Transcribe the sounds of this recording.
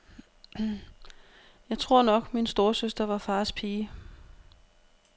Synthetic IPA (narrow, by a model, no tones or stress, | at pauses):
jɑ̈ɪt͡sʰʁo̝ɐ̰nɒ̽ɡ̥minsd̥o̝ːɐsøsd̥ɐʋɑ̈fɑ̈ːspʰiː